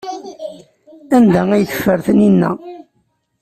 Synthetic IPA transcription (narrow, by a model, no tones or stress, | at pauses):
ænd̪ææjəθə̥fːəɾθəninːæ̰